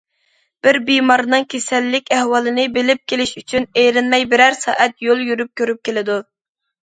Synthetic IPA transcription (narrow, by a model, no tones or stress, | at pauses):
b̥ɪɾbijmɑɾnɨŋkʲʰesɛlːɪkʲæhwɑlˠɨnɪbɪlɪp̚kʲelɪʃyt͡ʃʰynejɾɪnmɛjbɪɾæɾsɑ̰ːʔɛt̪jolˠjyɾyp̚kʲʰøɾyp̚kʲelɪd̪u